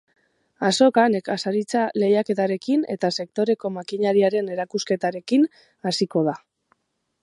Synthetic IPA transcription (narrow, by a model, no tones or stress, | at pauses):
aso̞kane̞kasaɾit͡sale̞jake̞t̪aɾe̞kine̞̰t̪ase̞k̚t̪o̞ɾe̞ko̞makiɲaɾiaɾe̞ne̞ɾakuske̞t̪aɾe̞kin | asiko̞ð̞a